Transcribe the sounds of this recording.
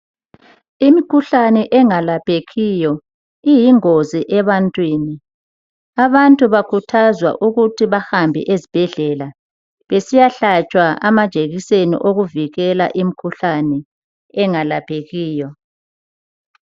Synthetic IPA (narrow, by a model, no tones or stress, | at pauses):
imikʰuɬanɛʔɛŋalapʰeɣijɔ | ijiŋoziʔɛβantʼwiːni | aβantʼuβakʰutʰazwa̰ʔuɣutʰiβahambʱɛ̰ʔezib̥ʱɛɮɛla | βesijaɬat͡ʃʼwaa̰mad̥ʒ̥ʱeɣisenḭʔoɣuviɣɛla̰ʔimikʰuɬanɛ | ɛŋalapʰeɣiːjɔ